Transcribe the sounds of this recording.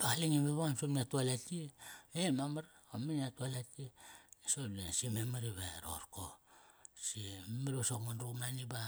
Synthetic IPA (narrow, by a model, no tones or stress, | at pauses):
bahaliŋimeβaamsomiatualatiemamaɾominatualatisoesimemaɾiβeɾo̰ɾko | simelosokmanɾumaniba